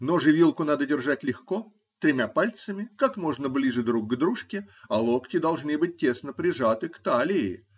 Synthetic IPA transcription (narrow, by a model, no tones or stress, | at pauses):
no̞ʐɨvʲilˠkʊnad̪ədʲɪrʐatʲlʲɪxko | t̪ɾʲɪmʲapalʲt̪səmʲɪkakmo̞ʐnəblʲiʐɨd̪ɾuk̚ɡd̪ɾuʂkʲɪɐlˠoktʲɪd̪ɐlˠʐnɨbɨt̚ʲtʲːe̞snəpɾʲɪʐat̪ɨkt̪alʲɪɪ̰